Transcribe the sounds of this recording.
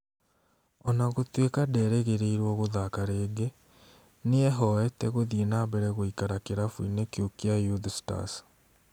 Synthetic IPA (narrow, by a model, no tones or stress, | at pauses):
ɔnaɣotwekadɛɾɛɣeɾeiɾwɔɣoðakaɾeːɡe | neɛɦɔɛtɛɣoðienaβɛɾɛɣoikaɾakeɾafwinekeokiajuðsta̰s